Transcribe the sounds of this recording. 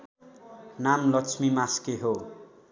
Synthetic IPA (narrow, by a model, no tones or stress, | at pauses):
namlʌkt͡sʰmimaskeɦo